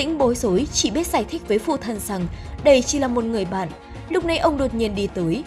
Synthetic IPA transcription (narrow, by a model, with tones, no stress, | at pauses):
t̪ḭ̈˧˥ŋ̟ɓo˨˦jzo˨˦jt͡ɕḭ˧˩ɓi˦˥t̚z̥aː˧˩jt̪ʰï˦˥k̟̚vəː˨˦jfṵ˧˨t̪ʰə˨˩nza˨˩ŋɗə˧˩jt͡ɕi˧˩laː˨˩mo˨˩t̚ŋɨ˨˩əjɓa̰ː˧˨n | lʊ˦˥k͡p̚na˧jʔə˧wŋ͡mɗo˨˩t̚ɲi˧˩ənɗi˧t̪əː˨˦j